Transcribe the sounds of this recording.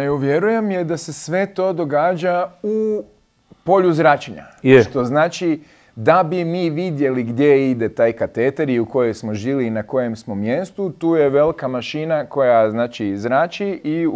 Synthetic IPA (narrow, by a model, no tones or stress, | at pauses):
euʋjeɾujemjed̪ase̞sʋe̞t̪o̞ːd̪o̞ɡaːd͡ʒau | po̞ʎuzɾat͡ʃeɲa̰ʃt̪o̞znaːt͡ʃi | d̪abimiːʋid̪je̞liɡd̪je̞id̪e̞t̪aːjkat̪et̪aɾiuko̞je̞jsmo̞ʒiːliːnako̞je̞msmomje̞st̪ut̪uːjeʋe̞likamaʃinako̞jaznaːt͡ʃizɾaːt͡ʃii